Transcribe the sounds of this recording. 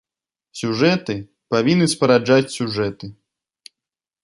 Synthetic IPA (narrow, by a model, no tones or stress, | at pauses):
sʲuʐɛt̪ɨ | pavʲinːɨspɐɾad͡ʐat͡sʲsʲuʐɛt̪ɨ